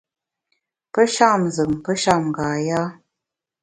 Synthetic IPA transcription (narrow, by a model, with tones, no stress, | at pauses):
pə˦ʃa˦˨mzə˨ŋpə˦ʃa˦˨m˨ɡaː˨ja˦